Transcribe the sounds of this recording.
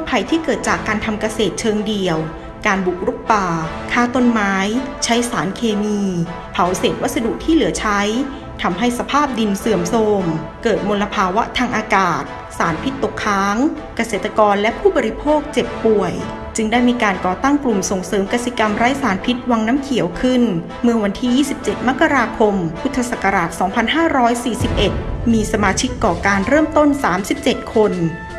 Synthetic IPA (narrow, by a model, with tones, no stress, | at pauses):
pʰa˧jt̪ʰiː˥˩kɤː˨˩t̪̚t͡ɕaː˨˩kːaː˧nt̪ʰa˧mka˧seː˨˩t̪̚t͡ɕʰɤː˧ŋdi˨˩əw | kaː˧nbu˨˩k̚ɾu˦˥k̚paː˨˩ | kʰaː˥˩wt̪o˧˥˧nmaː˦˥jt͡ɕʰa˦˥jsaː˩˦nkʰeː˧miː˧ | pʰa˨˩˦wseː˨˩t̪̚wa˦˥sa˧du˨˩k̚t̪ʰiː˥˩lɯ˩˦ɐt͡ɕʰa˦˥j | t̪ʰa˧mɦa˥˩jsa˧pʰaː˥˩p̚di˧nsɯ˨˩əmso˧m | kɤː˨˩t̪̚mo˧la˧pʰaː˧wa˦˥ʔt̪ʰaː˧ŋʔaː˧kaː˨˩t̪̚ | saː˩˦npʰi˦˥t̪ːo˨˩kʰːaː˦˥ŋ | ka˧seː˨˩t̪ːa˧kɔː˧nlɛ˦˥ʔpʰuː˥˩bɔ˧ɾi˧˥pʰoː˥˩k̚t͡ɕe˨˩pːu˨˩əj | t͡ɕɯ˧ŋdaː˥˩jmiː˧kaː˧nkɔː˨˩t̪a˥˩ŋklu˨˩mso˨˩ŋsɤː˩˦mka˧si˨˩ka˧mɾa˦˥jsaː˩˦npʰi˦˥t̪̚wa˧ŋnaː˦˥mkʰi˨˩˦əwkʰɯ˥˩n | mɯ˥˩əwa˧nt̪ʰiː˥˩jiː˥˩si˨˩p̚t͡ɕe˨˩t̪̚ma˦˥ka˧ɾaː˧kʰo˧mpʰu˦˥t̪ʰːa˧sa˨˩ka˧ɾaː˨˩t̪̚sɔː˩˦ŋpʰa˧nɦaː˥˩ɾɔː˦˥jsiː˨˩si˨˩p̚ʔe˨˩t̪̚miː˧sa˧maː˧t͡ɕʰi˦˥kːɔː˨˩kaː˧nɾɤː˥˩mt̪o˥˩nsaː˩˦msi˨˩p̚t͡ɕe˨˩t̪̚kʰo˧n